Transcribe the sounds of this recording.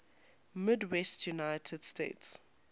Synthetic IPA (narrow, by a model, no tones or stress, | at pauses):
mɪdwɛstʰjunajtʰəd̥stḛːts